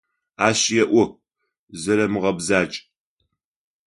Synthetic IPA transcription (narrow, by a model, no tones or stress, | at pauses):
aːɕjɛʔʷʊ | zɐɾɐmɨʁɐbzaːt͡ʃʼ